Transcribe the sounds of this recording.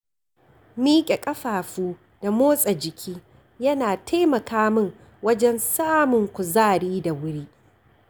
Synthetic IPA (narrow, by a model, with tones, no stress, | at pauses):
miː˦kʲʼe˨kʼɐ˦ɸaː˨ɸuː˦ | da˨moː˦sʼɐ˨d͡ʒɪ˨kʲʰiː˦ | jɐ˦naː˨tʰa˦jmɐ˨kʰaː˦mɪ˦˨ŋ | wɐ˦d͡ʒɛ˦nsaː˦mʊ˨ŋkʷʊ˨zaː˦˨ɽiː˦da˨wʊ˦ɽiː˦